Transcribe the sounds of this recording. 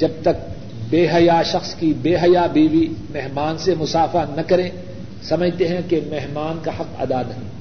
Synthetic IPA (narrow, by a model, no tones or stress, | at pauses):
d͡ʒɐb̚t̪ɐk̚ | beːɦɐjaʃɐxskibeːɦɐjabiːʋimɛɦmaːnsemʊsaːfanɐkɐɾẽː | sɐməd͡ʒʱt̪eɦɛ̃kemɛɦmaːnkahɐqɐ̰d̪aːnɐɦĩː